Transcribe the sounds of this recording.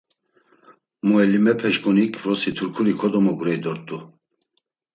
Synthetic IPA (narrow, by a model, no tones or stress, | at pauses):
muɛlimɛpʰɛʃkʼunikʰvɾɔsit̪ʰuɾkʰuɾikʰɔd̪ɔmɔɡuɾɛjd̪ɔɾt̪ʼu